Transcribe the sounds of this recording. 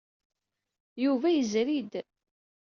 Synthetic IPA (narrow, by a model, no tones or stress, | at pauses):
juvæjəzɾid̪